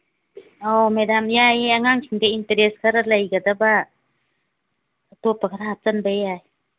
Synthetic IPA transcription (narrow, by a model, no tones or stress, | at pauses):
ɔmɛdamjajaŋaŋsʰiŋdeinteɾɛskʰaɾalajɡadaba | topːakʰaɾaɦat͡ʃanbajaj